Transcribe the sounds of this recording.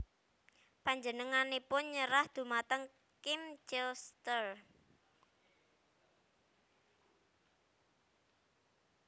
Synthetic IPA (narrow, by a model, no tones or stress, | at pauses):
paɲd͡ʒənəŋanepʊnɲəɾahd̪̥ṳmat̪əŋ | kɪmd͡ʒɛst̪ər